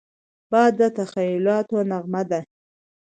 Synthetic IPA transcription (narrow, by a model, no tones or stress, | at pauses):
b̥ɑd̪ːət̪axajʊlɑt̪onaɣmad̪a